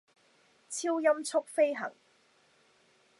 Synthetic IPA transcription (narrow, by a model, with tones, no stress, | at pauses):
t͡sʰiː˥wjɐ˥mt͡sʰʊ˥k̚fe˥jɦɐ̰˨˩ŋ